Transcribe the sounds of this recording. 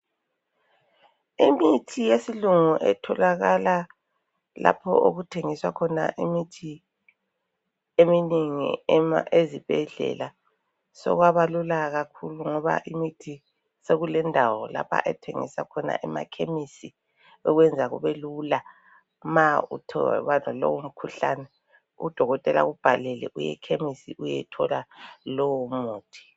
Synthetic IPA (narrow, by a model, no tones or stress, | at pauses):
imitʰijesiluŋuʔɛtʰɔlaɣala | lapʰɔ̰ʔoɣutʰeŋiswakʰɔna̰ʔimitʰi | eminiŋḭezib̥ʱɛɮɛ̰la | sɔ̰ɣwaβalulaɣakʰuluŋɔβa̰ʔimitʰi | seɣulɛndʱawɔla̰pʰa̰ʔɛtʰeŋḭsakʰɔna̰ʔɛma̰kʰemisi | ɔɣwɛnd͡zʱaɣṵβelula | maṵtʰɔβadʱalo̰wum̩kʰuɬanɛ | ṵd̥ʱɔɣɔtʼɛla̰ɣub̥ʱalɛlɛ̰ʔujɛ̰kʰemisiʔujɛtʰɔlalɔwomuːtʰi̥